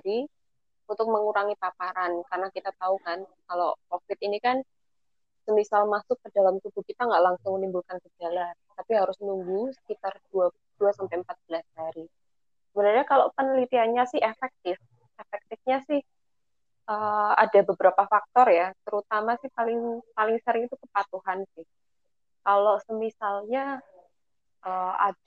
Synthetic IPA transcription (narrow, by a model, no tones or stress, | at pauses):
aɾi | unt̪ʊk̚məŋuɾaŋipapaɾankarənakit̪at̪aukankalokofɪt̪inikan | səmisalmasʊk̚kədalamt̪ub̥ukit̪aŋɡaʔlaŋsʊŋmənimbulkankəd͡ʒalat̪apiɦaɾʊsnuŋɡusə̥kit̪ard̥ua | d̥uasampajəmpat̪̚b̥əlashaɾi | səbənarɲakalopənəlit̪iaɲasɪhefɛk̚t̪ɪf | efɛk̚t̪ɪfɲasɪh | ʔəːa̰dabəbəɾapafak̚t̪ɔrjat̪əɾut̪amasɪhpalɪŋpalɪŋsəɾɪŋit̪ukəpat̪uhansɪh | kalosəmisalɲa | ʔəːa̰